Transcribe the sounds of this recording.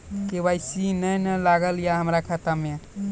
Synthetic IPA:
kebajsinəjnəlaɡəljaɦəmɾakʰət̪ame

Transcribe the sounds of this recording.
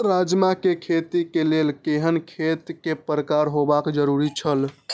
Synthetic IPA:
ɾad͡ʒmakekʰet̪ikelelkeɦənkʰet̪kepɾəkaɾɦobakd͡ʒəɾuɾit͡ʃʰəl

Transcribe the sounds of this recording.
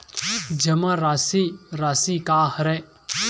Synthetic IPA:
d͡ʒɐmãɾaːsiɾaːsikaːhɾe

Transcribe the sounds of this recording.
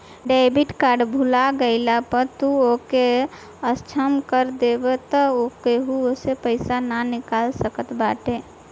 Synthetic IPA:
ɖaɪbiʈkaɾɖbʱulaɡəɪlapəɾt̪uoke | əst͡ʃʰəmkəɾd̪ebet̪ɔokeɦuosepəɪsananɪkalsəkət̪baʈe

